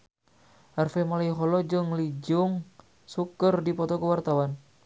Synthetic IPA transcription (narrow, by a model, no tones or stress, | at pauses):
ʔarfemalaiɦɔlɔd͡ʒɨŋlid͡ʒʊŋ | sukərdipɔt̪ɔkəwart̪awan